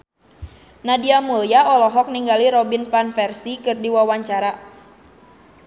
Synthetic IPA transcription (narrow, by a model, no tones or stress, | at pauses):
nadiamuljaʔɔlɔɦɔk̚niŋɡaliɾɔbinpanfɛrsikɨrdiwawaɲt͡ʃaɾa